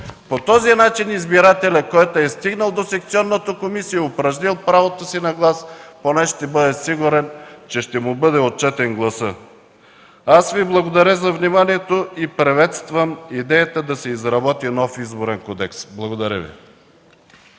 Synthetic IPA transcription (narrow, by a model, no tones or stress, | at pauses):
pot̪ɔzinat͡ʃinizbiɾat̪ɛlʲɐkɔjt̪oɛst̪iɡnəlˠd̪osɛkt̪siɔnːət̪okomisijɐopɾɐʒnilˠpɾavot̪osinɐɡlˠasponɛʃt̪ɛbɤd̪ɛsiɡʊɾɛnt͡ʃɛʃt̪ɛmubɤd̪ɛot̪̚t͡ʃɛt̪ɛnɡlˠɐsə | asviblˠɐɡod̪ɐɾəzɐvnimaniɛt̪oipɾɛvɛt̪st̪vəmid̪ɛjət̪əd̪ɐsɛizɾɐbɔt̪inɔfizboɾɛnkɔd̪ɛksblˠɐɡod̪ɐɾʲə̰vḭ